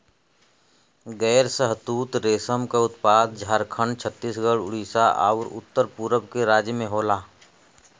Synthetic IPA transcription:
ɡɛːɾsəɦt̪uːt̪ɾeːsəmkaʊt̪paːd̪̚d͡ʒʱaːɾkʰəɳt͡ʃʰət̪ːiːsɡəɽʊ̰ɽiːsaʔa̰ːʊɾʊ̰t̪ːəɾpuːɾəbkeɾaːd͡ʒjəmẽɦoːlaː

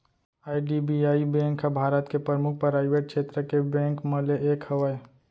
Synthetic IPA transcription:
aːiɖibiaːibẽːŋkɦəbʱaːɾət̪kepɾəmʊk̚ʰpɾaːɪʋeːʈ̚kʃeːt̪ɾəkebɛ̃ːŋkməleʔeːkhəʋəe

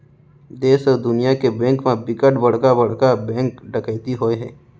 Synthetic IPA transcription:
d̪eːsɔːɾd̪ʊnijakebɛ̃ːŋkmẽbɪkəʈbɐɽ̤kabɐɽ̤kabɛ̃ːŋkɖəkəjt̪iɦoːeɦɛ̰̃ː

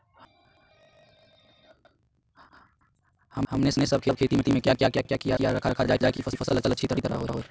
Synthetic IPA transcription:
hɐɐmneɪsnesɐbkʰeb̚kʰeːt̪imẽt̪imẽkjakjakjaːkjakijaijaɾɐkʰakʰad͡ʒaːed͡ʒaːekifʰɐsəlɐsəlɐtːʃʰit̪əɾit̪əɾa̰ɦoːɾaɦo

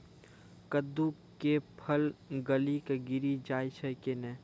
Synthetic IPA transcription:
kəd̪ːu | kepʰəlɡəlikɡɪɾid͡ʒaːjt͡ʃʰəkenɛ

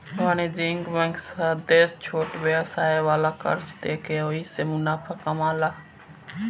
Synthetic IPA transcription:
aːneːd͡ʒiːŋɡbɛ̃ːŋksəd̪eːst͡ʃʰoːʈʋeːsaːeːʋaːlaːkə̰ɾt͡ʃd̪eːkeːoːiːseːmʊnaːpʰaːkəmaːlaː

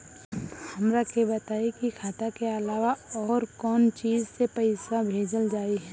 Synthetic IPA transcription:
hɐmɾakebɐt̪aːekikʰaːt̪akeɐlaːʋaɔːɾkɔːnt͡ʃiːzsepɐɪsabʱeːd͡ʒəld͡ʒaːiɦɛː

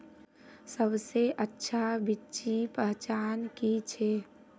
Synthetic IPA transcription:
səbseʔətːʃʰabitːt͡ʃipəɦt͡ʃaːnkit͡ʃʰe

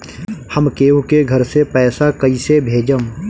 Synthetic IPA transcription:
həmkeːũkeɡʱəɾsepɛːsakɐisebʱeːd͡ʒəm

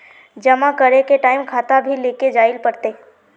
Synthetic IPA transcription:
d͡ʒɐmãkəɾekeʈaːɪmkʰaːt̪abʱileːked͡ʒaːɪlpɐɽt̪eː

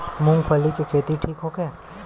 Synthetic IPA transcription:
mũŋɡfʰəlikekʰeːt̪iʈʰiːkɦokɛː

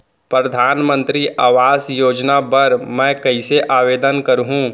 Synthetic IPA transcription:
pɾɐd̪ʱaːnmə̃nt̪ɾiʔaːʋaːsjoːd͡ʒnabɐɾmɛ̃ːkɐiseʔaːʋeːd̪ənkɐɾɦũː

